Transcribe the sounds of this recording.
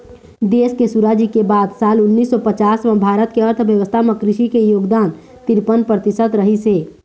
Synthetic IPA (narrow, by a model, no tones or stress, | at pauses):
d̪eːskesuɾaːd͡ʒikebaːd̪saːlʊnːiːsːɔpət͡ʃaːsmə̃bʱaːɾət̪keəɾt̪ʰʋjəʋəst̪ʰamekɾɪʃikejoːɡd̪aːn | t̪iɾpənpɾət̪isət̪ɾəɦiseː